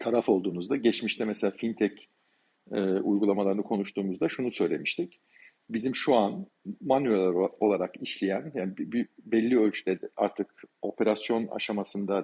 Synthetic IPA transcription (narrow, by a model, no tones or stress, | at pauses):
t̪ʰaɾafo̞lˠd̪uːmuzd̪aɟɛt͡ʃmiʃt̪ʰɛmɛselʲaːfint̪ʰɛc | ɛːṵjɡulˠamalˠaɾɯnɯkʰo̞nuʃt̪uːmuzd̪aʃunusø̞jlʲemiʃt̪ʰic | bizimʃuan | manyelʲɛɾo̞lˠaɾakiʃlʲijænjaːnibbibɛlʲːiø̞lʲt͡ʃʰyd̪ɛd̪ɛa̰ɾt̪ʰɯko̞pʰe̞ɾasjo̞na̰ʃamasɯnd̪a